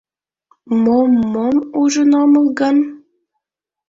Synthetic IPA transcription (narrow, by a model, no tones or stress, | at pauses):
momːomuʒə̆nɑmɤ̆lˠɡɑn